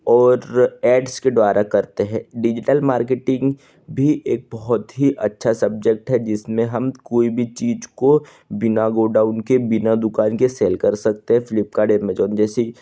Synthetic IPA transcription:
ɔːɾɛːɖsked̪ʋaːɾakɐɾt̪eɦɛ̃ːɖɪd͡ʒɪʈəlmaːɾkeʈɪ̃ŋɡ | bʱiʔeːk̚bɔɦʊt̪ɦiʔɐtːʃʰasɐb̚d͡ʒək̚ʈɦɛd͡ʒɪsmẽɦɐmkoːibʱit͡ʃiːd͡ʒko | bɪnaɡoːɖaːʊnkebɪnad̪ʊkaːnkeseːlkɐɾsɐk̚t̪eɦɛ̃fɪlɪp̚kaɖeːmeːd͡ʒɔːnd͡ʒɛːsi

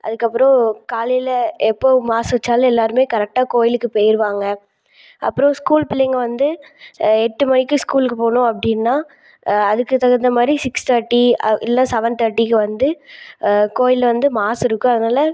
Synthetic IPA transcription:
ʔɐ̰ðɯkːɐpːɯɾõkaːlɪlɐɛpːoːmaːsʋɐt͡ʃːaːlɛlːaːɾɯmeːkɐɾɛk̚ʈaːkoːjɪlɯkːɯpeːjɪɾɯʋaːŋɡɐ | ʔɐ̰pːɯɾõskuːlpɪlːɐjŋɡɐʋɐnd̪ɯ | ɛʈːɯmɐnɪkːɯ̃skuːlkːɯpoːɳʊ̃ɐpːɐɽɪnːaː | ɐðɯkːɯt̪ːɐɣɐnd̪ɐmaːd̪ɾisɪkst̪ʰɐɾʈːiɪ̰lːãːsɛʋɐnt̪ɐɾʈːikːɯʋɐnd̪ɯ | koːjɪlʋɐnd̪ɯmaːsɪɾɯkːʊ̃ɐðɯnaːlɐ

